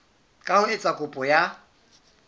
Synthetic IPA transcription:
kʼahʊɪt͡sʼakʼʊpʼɔja

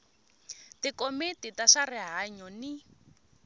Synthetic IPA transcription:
tikomititaʃarɪɦaɲɔni

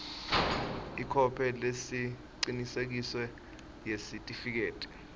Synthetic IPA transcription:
ikʰɔpʰɛlesi | ǀinisek̬iswɛ | jesitʼifik̬eːtʼi̥

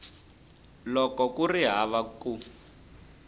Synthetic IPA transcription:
lɔkɔkuriɦaβaku

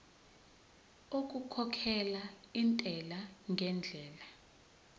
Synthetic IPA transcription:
ok̬ʼukʰɔkʰɛlaintʼɛlaŋɡʱɛnd͡ɮʱɛːla

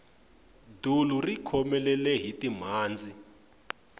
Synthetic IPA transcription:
dʱulurikʰɔmɛlɛlɛɦitʼim̤aːnd͡zʱi

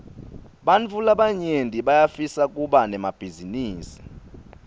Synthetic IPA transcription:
ɓant͡fulaɓaɲentʼiɓajafisak̬ʼuɓanɛmab̥ʱiziniːsi̥

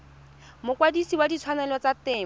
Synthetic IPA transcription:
mʊkwadisiwadit͡sʰwanɛlɔt͡sat̪ɛː

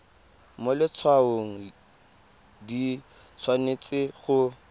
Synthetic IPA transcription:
molɪt͡sʰwaoŋ̩ | di | t͡sʰwanet͡sʼɪχʊ

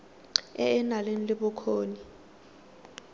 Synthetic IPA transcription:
ɛ̰ːnalenilɪɓʊkʰoːni

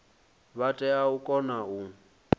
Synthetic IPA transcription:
βatʼɛaukʼɔnau

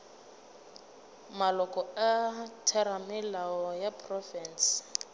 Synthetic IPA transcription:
malɔkʼɔatʰɛɾamɪlaɔjapʰʼrɔfɛːns

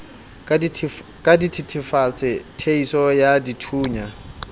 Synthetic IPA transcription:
kʼaditʰitʰɪfat͡sʰʼɪtʰeisɔjaditʰuːɲa

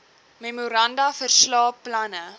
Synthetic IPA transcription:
memuɾɐndɐfərslɑːpːlɐnə

